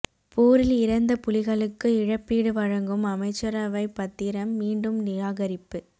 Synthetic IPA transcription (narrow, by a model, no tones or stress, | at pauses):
pʰoːɾɪlɪɾɐnd̪ɐpʊlɪɣɐɭɯkːɯɪɻɐpːiːɽɯʋɐɻɐŋɡɯmɐmɐɪt͡ʃːɐɾɐʋɐɪpːɐt̪ːɪɾɐmːiːɳɖɯmnɪɣaːɣɐɾɪpːɯ